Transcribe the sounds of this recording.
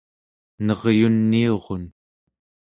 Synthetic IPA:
nʌʁjunːio̞ʁon

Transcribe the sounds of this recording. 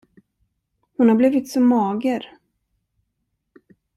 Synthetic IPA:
hʊnhaɾbliːvɪt̪sɔmːɑːɡəɾ

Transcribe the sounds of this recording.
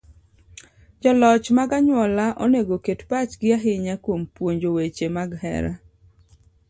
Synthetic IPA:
d͡ʒɔlɔt͡ʃmaɡaɲwɔlaʔɔ̰neɡoketpat͡ʃɡɪaɦɪɲakwompwoɲd͡ʒowet͡ʃemaɡhɛ̰ɾa̰

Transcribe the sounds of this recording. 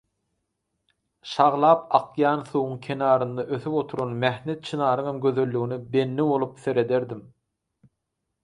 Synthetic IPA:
ʃɑʁlˠɑːp̚ɑqʰjɑːnθuwuŋkʲʰe̞nɑːɾɯnd̪ɑʔøθyβo̞t̪ʰuɾonmæhnet̪̚t͡ʃʰinɑːɾɯŋɑmɡø̞ðø̞lːyɣinibe̞nːiβo̞lˠupθe̞ɾe̞d̪e̞ɾd̪im

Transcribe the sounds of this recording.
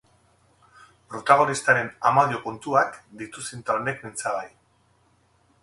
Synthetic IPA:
pɾo̞t̪aɣ̞o̞nist̪aɾe̞namaðio̞kunt̪uakd̪it̪usint̪aone̞kmint͡saβaj

